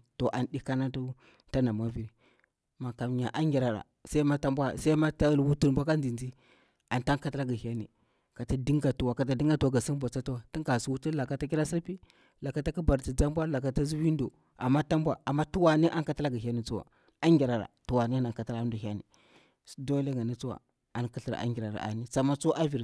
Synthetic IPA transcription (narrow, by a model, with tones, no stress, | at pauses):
to˨ʔa˨n˨di˦ka˦na˦tu˦ | ta˦na˨ma˦vi˦ɾi˦ | ma˨ka˨m˨ɲa˨ʔa˦ŋɡʲi˨ɾa˨ɾa̰˨sa˦i˦ma˦ta˦mbʷa˦˨sa˦i˦ma˦ta˦lwu˦tu˦n˨bʷa˦ka˦n˦i˨nd͡ʒi˦ | a˨nta˦ŋka˦ta˦la˦ɡa˨hi˦a˦nḭ˨ | ka˨ta˦di˦ŋɡa˨tu˨wa˨ka˨t̬a˦di˦ŋɡa˦to˨ɡa˨si˦n˦bʷa˨t͡sa˦tu˦wa˨ti˦ŋka˨su˨˦wu˦tu˦la˨ka˨˦ta˦k̬i˦ɾa˦si˦ɾpi˦ | la˨ka˨ta˦ki˦ba˨ɾti˨d͡za˦mbʷa˦la˨ka˨ta˦zu˦wi˦ndo˨ | a˨mːa˦ta˦mbʷa˦a˨mːa˦tu˦wa˨ni˦ʔa˦ŋka˦ta˦la˦ɡa˨ɦʲi˦a˦ni˨t͡su˦wa̰˨ | a˦ŋɡʲi˨ɾa˨ɾa̰˨tu˨wa˨ni˦na˨ŋka˨ta˦la˦n˦do˨ha˦nḭ˨ | sdo˦le˦ŋɡa˨ni˦t͡su˦wa̰˨ | a˦nka˦ɬi˨ɾ̰a̰˦ŋɡi˨ɾa˨ɾa̰˨ʔa̰˨ni˦sa˨ma˦t͡so˦ʔa˦vi˨ɾ